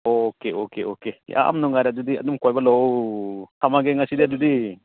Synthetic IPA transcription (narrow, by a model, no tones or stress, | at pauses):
okeʔokeʔokeḭʔa̰ʔa̰mnɔŋaɾaʔd͡ʒud̪ia̰d̪umkojbalɔwt̪ʰamaɡɛŋasid̪ijaʔd͡ʒud̪i